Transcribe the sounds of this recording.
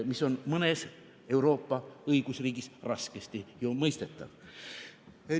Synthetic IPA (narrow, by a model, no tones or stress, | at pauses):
miso̞nmɤne̞s | e̞wɾo̞ːpːɑɤjɡ̥usriːɡisrɑske̞st̪ijomɤjst̪e̞t̪ːˑɑ̰v̥